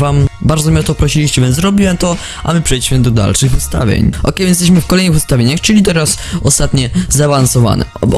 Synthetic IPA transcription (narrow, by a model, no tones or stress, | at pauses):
vambaɾd̪zɔmʲiɛt̪ɔpɾɔɕilʲiɕt͡ɕɛvʲjɛnzzɾɔbʲiwɛmt̪ɔ | ʔa̰mɘpʂɛjiɕmɘd̪ɔd̪a̰lʂɘɣvust̪a̰vʲjḛɲʔɔ̰kɛjjɛst̪ɛɕmɘfkɔlɛjnɨɣvʊst̪avʲjeɲaxt͡ʂɨlʲit̪ɛɾas | ɔst̪at̪ɲɛzaːvansɔva̰nɛ̰ɔ̰